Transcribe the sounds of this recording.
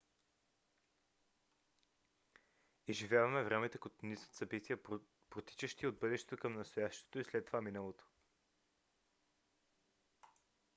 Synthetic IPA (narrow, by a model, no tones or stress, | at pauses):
izʒivjavɐmɛvɾɛmɛt̪əkot̪onisə̥t̪sɐbit̪iə | pɾot̪i̥t͡ʃəʃt̪iod̪̚bɤd̪ɛʃt̪ɛ̥t̪okəmnɐst̪oʊjaʃt̪o̥t̪oislɛt̪ːovaminəlˠot̪o̥